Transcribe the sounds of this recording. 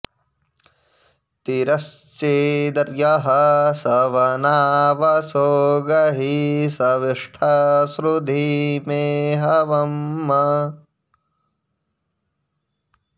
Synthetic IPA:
t̪iɾɐst͡ʃed̪ɐɾjɐɦɐsɐʋɐnaːʋɐsoːɡɐɦisɐʋiʂʈʰɐsɾud̪ʱimeːɦɐʋɐmːɐ

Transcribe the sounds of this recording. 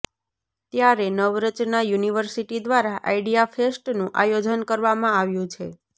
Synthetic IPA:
t̪jaɾenəʋɾət͡ʃnajuniʋəɾsiʈid̪ʋaɾaʔa̰iɖijafesʈnũʔajod͡ʒənkəɾʋamãaʋjũt͡ʃʰḛ

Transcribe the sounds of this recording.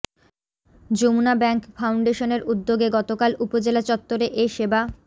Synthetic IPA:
d͡ʑomunabɛŋkfʰawɳɖeʃoneɾud̪ːoɡeɡɔt̪okalʔupod͡ʑelat͡ɕɔt̪ːoɾeʔeʃeba

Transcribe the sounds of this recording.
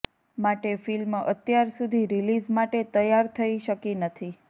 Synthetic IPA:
maʈefilmət̪jaɾsud̪ʱiɾilizmaʈet̪əjaɾt̪ʰəiʃəkinət̪ʰi

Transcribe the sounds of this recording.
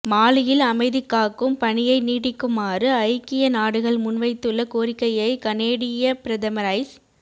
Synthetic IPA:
maːlɪjɪlɐmɐɪðɪkːaːkɯmpɐnɪjɐɪniːɽɪkːɯmaːrɯɐɪkːɪjɐnaːɽɯɣɐɭmʊnʋɐɪt̪ːɯɭːɐkoːɾɪkːɐjɐɪkɐneːɽɪjɐpɪɾɐðɐmɐɾaɪs

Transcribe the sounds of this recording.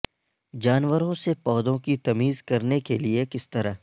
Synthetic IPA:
d͡ʒaːnwəɾõsepɔːd̪õkit̪ɐmiːzkɐɾnekeliekɪst̪ɐɾa

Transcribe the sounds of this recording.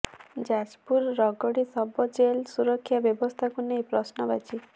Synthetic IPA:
d͡ʒad͡ʒpuɾːɔɡɔɽisɔbɔd͡ʒelsuɾɔkʰːjabjɔbɔst̪ʰakunejpɾɔsnɔbat͡ʃʰi

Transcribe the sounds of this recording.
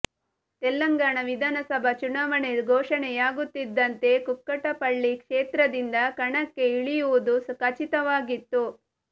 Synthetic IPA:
t̪ɛlːɐŋɡaːɳɐʋid̪ʱaːnɐsɐbʱɐt͡ʃunaːʋɐɳeɡʱɔːʂɐnɛjaːɡut̪ːid̪ːɐnt̪e̞kukːɐʈɐpɐɭːikʂeːt̪ɾɐd̪ind̪ɐkɐɳɐkːe̞iɭijuʋud̪uskɐt͡ʃit̪ɐʋaːɡit̪ːu

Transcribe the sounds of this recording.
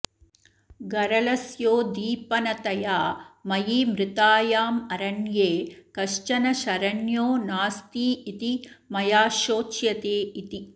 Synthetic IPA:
ɡɐɾɐlɐsjoːd̪iːpɐnɐt̪ɐjaːmɐjiːmɾɪt̪aːjaːmɐɾɐɳjeːkɐʂt͡ʃɐnɐʃɐɾɐɳjoːnaːst̪iːit̪i | mɐjaːʃoːt͡ʃjɐt̪eːit̪i

